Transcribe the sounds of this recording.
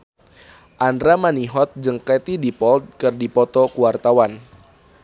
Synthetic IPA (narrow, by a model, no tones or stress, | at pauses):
ʔandɾamaniɦɔt̪̚d͡ʒəŋkɛt̪idipɔld̪̚kɨrdipɔt̪ɔkuwart̪awan